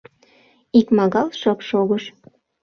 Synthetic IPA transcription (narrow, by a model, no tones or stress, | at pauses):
ikmɑɣɑlˠʃɤpʃoɣəʃ